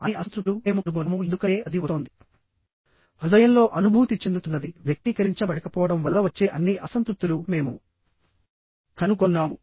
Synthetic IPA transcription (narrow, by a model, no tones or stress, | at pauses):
ɐ̰iɐst̪ɾulume̞ːmuɐnuk̬ɔnɐmuend̪ukɐeːɐd̪iut̪oːnd̪i | pɾud̪ɐjɐmlo̞ːʔɐnubʱuːt̪it͡ʃːe̞nd̪ut̪unːɐd̪iʋjɐk̚t̪ikɐɾiɲt͡ʃɐbɐɽɐkɐpɔːʋɐɽɐmʋɐlːɐʋɐt͡ʃːe̞ːʔɐnːiʔɐsɐnt̪ɾup̚t̪ulume̞ːmu | kɐnukɔnːaːmu